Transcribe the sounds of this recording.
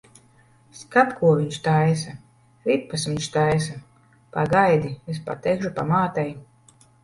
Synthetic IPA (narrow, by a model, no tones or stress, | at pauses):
skap̪kuɔviɲʃt̪ajsa | ɾippːasviɲʃt̪ajs̬a | paɡajd̪ies̬pa̰t̪ːɛjkʃupa̰maːt̪ɛj